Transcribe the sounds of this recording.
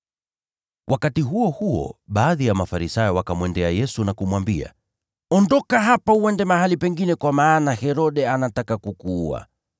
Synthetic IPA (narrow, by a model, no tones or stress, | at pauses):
wʔakatiɦuɔhuɔ̰ɓaːðijamafaɾisajɔwakamwɛndɛajɛsunakumwambia̰ | ɔndɔkaɦapauɛndɛmaɦalipɛŋɡinɛkwamaːnahɛɾɔɗɛanatakakukua̰